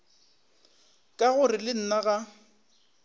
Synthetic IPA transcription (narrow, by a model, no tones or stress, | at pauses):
kʼaɣʊrɪlɪn̩naɣa